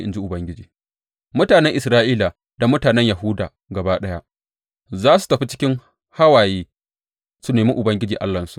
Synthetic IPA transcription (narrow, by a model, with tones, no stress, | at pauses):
ʔɪ̰˨nd͡ʒi˦ʔʊ˨bɐ˦ŋɡʲɪ˦d͡ʒiː˨ | mʊ˦taː˨nɛ˦ŋʔɪ˨sɾaː˦ʔiː˦la˨ | da˨mʊ˦taː˨nɛ˦ɲja˨ɦʊ˦daː˨ | ɡɐ˨baː˦ɗɐ˦ja˦ | zaː˦su̥˨tɐ˨ɸi˦t͡ʃɪ̥˦kʲɪ˦ŋ | ha˦waː˨jeː˦ | su˦neː˨miː˦ʔʊ˨bɐ˦ŋɡʲɪ˦d͡ʒiː˨ʔa̰˦lːɐ˨nsu̥˨ʔ